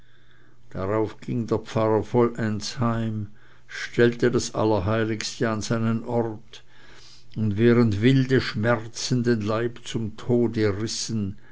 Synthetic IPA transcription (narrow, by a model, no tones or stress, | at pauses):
d̥aʁaʊfɡ̥ɪŋdeːɐp͡faʁɐfɔlʔɛnshaɪm | ʃtɛltədasʔa̰lɐɦaɪlɪkstəanzaɪnənʔɔʁt | ʊntvɛːʁəntvɪldəʃmɛʁt͡sən̩denlaɪpt͡sʊmtʰoːdəʁɪsən